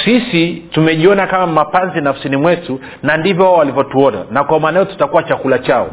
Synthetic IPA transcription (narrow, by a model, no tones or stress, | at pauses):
sisitumɛʄiɔnakamamapanzinafu̥sinimwɛsu | nandivjɔwaɔwalivjɔtuɔna̰nakwaumaːnajɔtu̥takuwat͡ʃakulat͡ʃaɔ̰